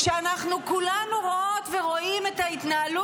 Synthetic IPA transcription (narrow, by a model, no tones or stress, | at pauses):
ʃeanaχnukulanuʁoo̞t̪ve̞ʁo̞ime̞t̪hait̪naːlu